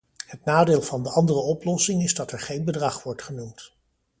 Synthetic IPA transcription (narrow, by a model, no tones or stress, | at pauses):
hətnaːdɪːlˠvɑndəɑndərəɔplɔsɪŋɪzdɑtɛɹχejnbədrɑχʋɔɹtχənumt